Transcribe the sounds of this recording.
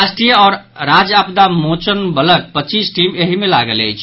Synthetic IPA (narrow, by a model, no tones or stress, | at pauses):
asʈɾijəɔːɾ | ɾad͡ʒapd̪amot͡ʃənbələk̚pət͡ʃisʈimeɦimelaɡələ̰jt͡ʃʰ